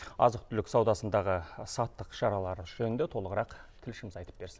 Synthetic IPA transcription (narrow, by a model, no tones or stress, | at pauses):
ɑ̰zəq̚t̪ʰʏlɪksɑwd̪ɑsənd̪ɑʁəsɑt̪ːəqʃɑɾɑlˠɑɾəʒ̥ɵnɪnd̪et̪ʰo̞lˠəʁəɾɑqt̪ʰɪlʃɪmɪzɑjt̪ə̥p̚be̞ɾsɪ̥n